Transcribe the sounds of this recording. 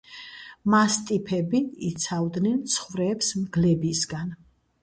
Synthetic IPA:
mast̪ʼipʰɛbiit̪sʰavd̪nɛnt̪sʰχvɾɛːpsmɡlɛbisɡan

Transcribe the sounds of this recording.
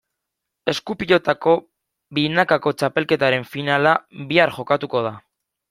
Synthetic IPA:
e̞skupiʎo̞t̪ako̞ | βinakako̞t͡ʃape̞lke̞t̪aɾe̞ɱfinalaβiaɾxo̞kat̪uko̞ð̞a

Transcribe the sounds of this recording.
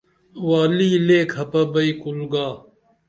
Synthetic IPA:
waːliːleːkʰhɐpɐbɐikulɡaː

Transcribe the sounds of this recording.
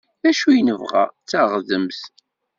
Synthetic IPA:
ðæʃujnəvʁa̰t͡sːaʁðəmθ

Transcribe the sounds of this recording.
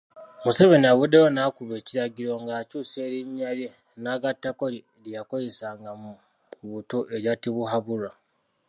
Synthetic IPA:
museβenaβudewonakuβe̞ːciɾaɡiɾo̞ŋɡaːt͡ʃuːse̞ɾiɲːale | naːɡatːakoɾi | lijakojisaːŋɡamu | uβutoʔeɾjatiβuɦaβuɾa

